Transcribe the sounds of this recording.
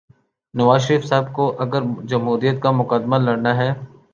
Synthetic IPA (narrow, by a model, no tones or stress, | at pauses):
nɐʋaːʃɾiːfsaɦb̚koʔɐɡəɾd͡ʒɐmɦuːɾijət̪̚kamʊqəd̪malɐɽnaɦɛː